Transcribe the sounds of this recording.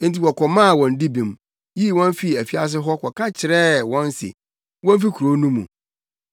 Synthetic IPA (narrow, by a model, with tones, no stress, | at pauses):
ti˨wɔ˨kʰɔ˨mã˦˨wɔ̃˨n˦di˦bĩ˨m | ji˦˨wɔ̃˦n˦fi˨æ˨fi˦a˦s̬ɪ˦ɦɔ˦kʰɔ˨kʰã˦t͡ɕʰɪ˨ɾɛ˦wɔ̃˦n˦sḛ˨ | wɔ̃˦n˦fi˦kʰu˨ɾo˦nũ˦mṵ̃˨